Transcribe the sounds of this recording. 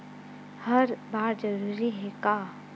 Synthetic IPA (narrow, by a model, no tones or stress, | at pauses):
hɐɾbaːɾd͡ʒɐɾuːɾiɦɛkaː